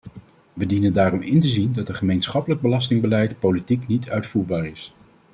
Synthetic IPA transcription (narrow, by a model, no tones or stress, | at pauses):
ʋədinəndaːrɔmɪntəzindɑtənχəmejnsχɑpələɡ̚bəlɑstɪŋbəlɛjtpolitiknitʰœɥtfuːɹbaːɹɪs